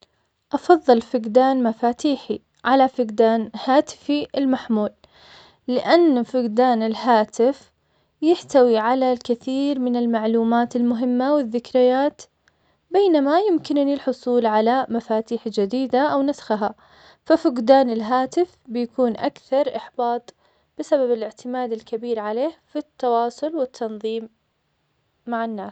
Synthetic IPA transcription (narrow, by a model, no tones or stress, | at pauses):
ʔɑfɑðˤːɨlfɪɡd̪aːnmafaːt̪iːħi | ʕalafɪɡd̪aːnhaːt̪ɪ̥fiɪlmaħmuːlː | ɪʔanːfɪɡd̪aːnɪlɦaːt̪ɪf | jɪħt̪awiʕalalkɪθiːɾmɪnɪlmaʕluːmaːt̪ɪlmʊɦɪmːawɪðːɪkɾɪjːaːt̪ | beːnamajʊmkɪnnilħʊsˤuːlʕalamafaːt̪iːħd͡ʒad̪iːd̪aʔawnasxɦa | fafʊɡd̪aːnɪlɦaːt̪ɪfbɪjakuːnʔakθɑɾˤʔɪħb̥ɑːt̪ˤ | b̥ɪsababɪlɪʕt̪ɪmaːd̪ɪlkabiːɾʕaleːhfit̪ːɑwɑːsˤʊlwɪt̪ʰːɑnðˤiːm | aʕanːaːs